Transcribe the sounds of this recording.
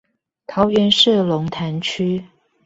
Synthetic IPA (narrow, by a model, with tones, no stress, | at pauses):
t̪ʰɑ˨˦ʊɥɛ˧˦nʂ̩˥˩lʊ˧˦ŋt̪ʰa˧˦nt͡ɕʰy˥